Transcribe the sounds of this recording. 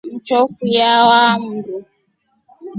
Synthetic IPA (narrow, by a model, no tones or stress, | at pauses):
n̩t͡ʃɔfujawam̩ɾu